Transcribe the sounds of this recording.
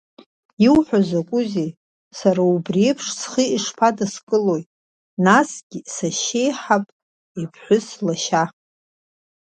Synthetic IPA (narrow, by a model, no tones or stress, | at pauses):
iwħʷᶣazakʷʼʊze | saɾaubrepʰʂsχiiʂpʰadaskʼɨlo̞jtʼ | nasɡ̥ʲɪsaʃe̞jħapʼ | ipʰħʷʊslaʃa